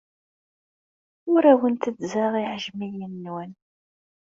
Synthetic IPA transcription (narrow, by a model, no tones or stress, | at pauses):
ʊɾæwənt̪əd̪zaʁiʕəʒmijənːwən